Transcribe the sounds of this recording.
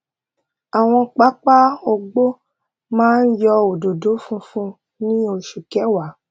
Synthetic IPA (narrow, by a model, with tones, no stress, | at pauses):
a˨w̃ɔ̃˧k͡pa˦k͡pa˦o˧ɡ͡bo˦ | mãː˦n̩˦jɔ˧o˨do˨do˨˦fũ˦fũ˦ | nĩ˦o˧ʃu˨kɛ˨˦wa˨˦